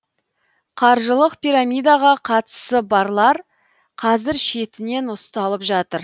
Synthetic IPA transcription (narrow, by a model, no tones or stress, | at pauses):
qʰɑɾʒəlˠəqpijɾamʲijd̪aʁɑqʰɑt̪ə̥səbɑɾlˠɑɾ | qʰɑzɪɾʃe̞t̪ɪne̞nʊst̪ɑlˠəpʒɑt̪əɾ